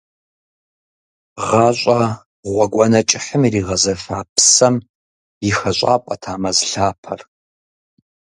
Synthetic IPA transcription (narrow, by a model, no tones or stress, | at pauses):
ʁɑːɕʷʼɐ | ʁʷɔɡʷɔnɐt͡ʃʼɪħəmiriːʁɐzɐfaːpʰsɐm | ixɐɕʷʼa̰ːpʷʼɐtʰaːmɐzɬaːpʰɐr